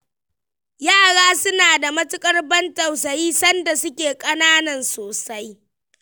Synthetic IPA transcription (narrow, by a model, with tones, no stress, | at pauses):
jaː˦˨ɽaː˦sʊ˦naː˨da˨mɐ˦tʊ˦kʼɐ˦rbɐ˦ntɐ˨wsɐ˨jiː˦sɐ˦nda˨sʊ˦kʲeː˨kʼɐ˦naː˦nɐ˨nsoː˨sa˦j